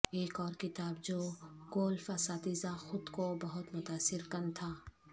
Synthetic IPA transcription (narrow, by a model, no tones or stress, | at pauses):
eːkɔːɾkɪt̪aːbd͡ʒoːɡoːlfasaːt̪izaxʊd̪kobɐɦʊt̪mʊt̪aːsːɪɾkɐnt̪ʰaː